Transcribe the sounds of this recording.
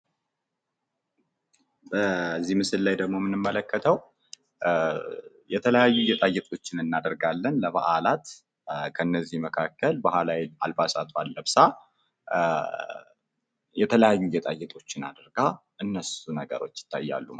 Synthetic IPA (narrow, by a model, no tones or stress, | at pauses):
bəzːihmɨsɨlːajd̪əɡmo̞mɨnɨmːələkʰːət̪ʰəw | jɛt̪ʰələjajːujɛt̪ʼajɛt̪ʼo̞t͡ʃːɪnɨnːad̪əɾɡalːənləβa̰ʔalat̪ | kʰənːəzːihməkʰakːəlbahalaja̰lbasat̪ʰoalːəbsa | jɛt̪ʰələjajːujɛt̪ʼajːɛt̪ʼo̞t͡ʃːɪna̰d̪əɾɡaʔɨnːəsunəɡə̰ɾo̞t͡ʃːjɪ̥t̪ʰːa̰jːa̰lːum